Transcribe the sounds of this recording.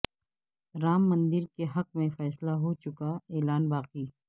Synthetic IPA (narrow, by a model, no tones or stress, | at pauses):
ɾaːmːɐ̃nd̪ɪɾkeɦɐqmẽfɛːslaɦot͡ʃʊkaeːlaːnbaːqiː